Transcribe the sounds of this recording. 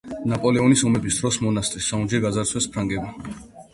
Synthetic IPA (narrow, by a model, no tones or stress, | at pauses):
napʼɔlɛɔnisɔmɛbisd̪ɾɔsmɔnast̪ʼɾisaund͡ʒɛɡazaɾt̪sʰwɛspʰɾaŋɡɛba